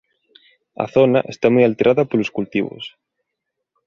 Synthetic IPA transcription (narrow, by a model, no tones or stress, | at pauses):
ɐ̰θonɐʔest̪amujalt̪eɾʔaðɐpoloskult̪iβʊ̰s